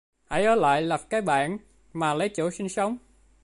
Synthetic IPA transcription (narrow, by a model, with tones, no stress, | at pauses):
ʔa˧˩jʔəː˨˧˩la̰ː˧˨jla˨˩p̚kaː˨˦˥jɓa̰ː˧˨n | maː˨˩lə˨˦jt͡ɕo̰˧˨˥si˧ŋsə˨˦wŋ͡m